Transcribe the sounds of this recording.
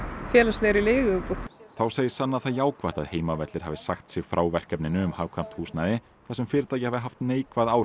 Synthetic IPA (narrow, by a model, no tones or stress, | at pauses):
fjɛːlast̪leɣɾileːɣpɔθawseːjɪsanːaθajaːwkvaht̪aðheːjmavɛt̪lɪɾ̥havɪsaxt̪sɪɣfɾaːwvɛr̥cɛpnɪnʏʏmhavkʰvam̥t̪huːsnaðɪ | θasɛmfɪːɾɪt̪ajcɪhavðɪɦaft̪neːjkvaðaːwɾ